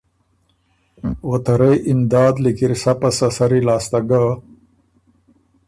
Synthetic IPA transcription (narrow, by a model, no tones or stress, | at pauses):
wot̪ɐɾejʔɪmd̪ɑːd̪likiɾsapasasɐɾilaːst̪aɡa